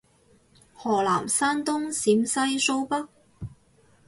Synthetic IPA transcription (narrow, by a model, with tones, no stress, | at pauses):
hɔː˨˩laː˨˩msaː˥nt̪ʊ˥ŋsiː˨˥msɐ˥jso˥wpɐ˥k̚